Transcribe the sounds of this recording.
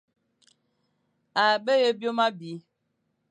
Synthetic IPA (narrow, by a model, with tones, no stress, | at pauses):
a˨ɓə˦je˦bjo˦ma˦bi˨˦